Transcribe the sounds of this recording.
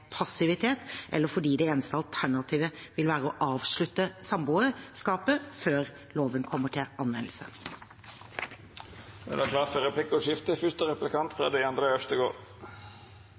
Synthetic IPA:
pʰɑsɪʋɪt̪ʰeːt̪ʔɛ̰lːəɾfɔɖiːd̪ɛeːnəst̪əɑlt̪ʰæɳɑt̪ʰiːʋəʋɪlʋæːɾəɔʔɑːʋʂɭʉt̪ːəsɑmbuːəskɑːpəføːɾ | loːʋənkʰɔmːəʈʰɪlʔɑnʋɛnl̩sə̰ | ɛ̰d̪ækʰlɑːtfɔɾɛplɪkːɔʂɪft̪əfʏst̪əɾɛplɪkɑnt̪fɾɑ̰ːd̪ɛɑnd̪ɾəœʂt̪əɡoːɾ

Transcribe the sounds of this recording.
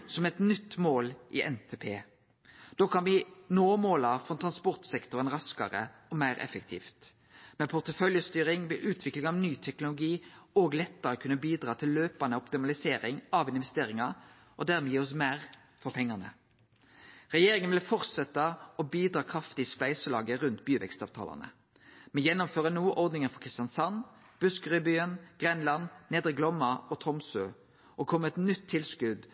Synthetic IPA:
sɔmɛt̪nʏt̪ːmoːlʔɪ̰ʔɛnt̪ʰeːpʰeː | d̪̥oːkʰɑnʋɪnoːmoːlɑfʁɔt̪ʰʁɑnspɔʁt̪sɛkt̪ɔɾənɾɑskɑ̰ɾə̰ɔmæɪɾɛ̰fək̚t̪ʰḭːft̪ | mɛpʰʊʁt̪əfœljəst̪yːɾɪŋʋɪʔʉːt̪ʰʋɪklɪŋɑʋnyːt̪ʰɛknʊlʊɡiːoːɡlɛt̪ːəɾəkʰʉnːəbiːd̪ɾɑːt̪ʰɪllːøːpɑnəʊpt̪ɪmɑlɪseːɾɪŋɑʋɪnʋɛst̪eːɾɪŋɑ | ʔɔd̪æɾmɛjiːɔs̬mæʁ | fɔpʰɛŋːɑnə̰ | ʁɛjeːɾɪŋənʋɪlfɔʁt̪sɛt̪ːɑɔbiːd̪ɾɑːkʰʁɑft̪ɪspæɪsəlɑːɡəɾʉnt̪̚byːʋɛ̰kst̪ɑ̰ːʋt̪ʰɑ̰lɑ̰nə̰ | mɛnjɛnːʊmføːɾənuːʔɔɾd̪nɪŋənfɔkʰʁɪst̪jɑnsɑn | b̥ʉskəʁʏbyːənɡ̥ʁɛnlɑnneːd̪ɾək̚blɔmːɑɔt̪ʰɔmsøː | ʔɔkʰɔmːəɛt̪nʏt̪ʰːɪlskʉd̪

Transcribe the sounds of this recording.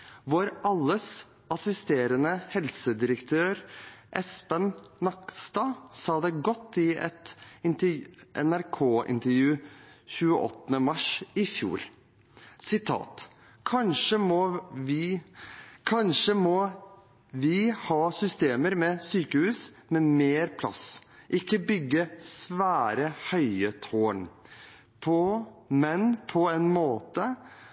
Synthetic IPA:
ʋoːɾʔɑlːəs | ʔɑsɪst̪eːɾənəhɛlsəd̪ɪɾəkt̪ʰøːɾʔɛspənnɑkst̪ɑːsɑːd̪ɛɡɔt̪ːɪɛ̰t̪ɪnt̪əʔɛ̰næɾkʰoːʔɪ̰nt̪əɾjʉːçʉːəʔɔ̰t̪ːənəmɑʂɪfjṵːɾ | sɪt̪ʰɑ̰ːt̪ | kʰɑnʂəmɔʋɪ | kʰɑnʂəmɔ | ʋɪhɑːsʏst̪eːməɾmɛsyːkəhʉːs | mɛmeːɾpʰlɑ̰sʔɪkːəbʏɡːəsʋæːɾəhœʏət̪ʰoːɳ | pʰɔmɛnpʰɔɛnmoːt̪ə

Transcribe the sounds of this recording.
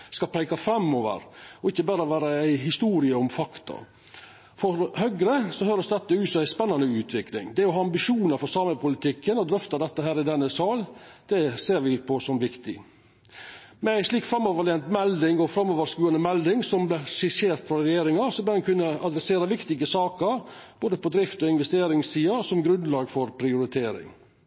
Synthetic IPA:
skɑpʰɾæɪkɑfɾɑmːoːʋə̰ɾɔɪçːəbɑːɾəɔʋæːɾəæɪɦɪst̪uːɾɪəɔmfɑkt̪ɑ̰ | fɔɾhœɡɾəsɔɦøːɾəsd̪ɛt̪ːəʉːt̪sɔmæɪspɛnːɑnəʉːt̪ʰʋɪklɪ̰ŋd̪ɛɔɦɑːɑmbɪʂuːnəɾfɔɾsɑːməpʰʊlɪt̪ʰɪkːənɔd̪ɾœft̪ɑd̪ɛt̪ːəɦæːɾɪd̪ɛnːəsɑːld̪̥ɛseːɾʋɪpʰɔsɔmʋɪkt̪ɪ̰ | mɛæɪʂliːkfɾɑmːɔʋəɭeːnt̪mɛld̪ɪŋɔfɾɑmːɔːʋəɾskʉːɑnəmɛld̪ɪŋsɔmblɛʂɪʂeːɾt̪fɾɑɾɛjeːɾɪŋɑsɔbæːɾɛnkʰʉnːəɑd̪ɾɛseːɾɑʋɪkt̪ɪɡəsɑːkəɾ | b̥oːd̪əpɔd̪ɾɪft̪ɔɪnʋɛst̪eːɾɪŋssiːɑsɔmɡɾʉnd̪lɑːɡfɔɾpʰɾɪʊɾɪt̪ʰeːɾɪ̰ŋ

